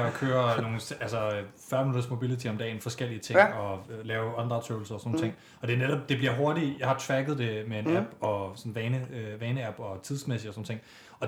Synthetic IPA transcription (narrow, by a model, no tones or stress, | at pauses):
ɒkʰøːɐno̝ːŋ̩sælsɒfɶɐmnunɐsmo̝b̥ilit͡sʰiɒ̽md̥ɛ̰ːnfɒ̽sɡ̥el̰iət͡sʰe̝ŋɒ̽lɛːʊɒ̽nd̥ʁɑt͡sʰøʊl̩sɐsɔnoːn̩t͡sʰeŋ̰ | ɒ̽d̥e̝neɾɒ̽b̥̚d̥e̝b̥liɐɦo̝ɐɾijɑ̈hɑ̈t͡sʰʋæɡ̥ð̞̩ˠd̥e̝mee̝næb̥ɒ̽sɒ̽n̩ʋɛːnəʋɛːnəæb̥ɒ̽t͡sʰið̞ˠsmesid̥ɒsn̩ːt͡sʰe̝ŋ̰ | ɒ̽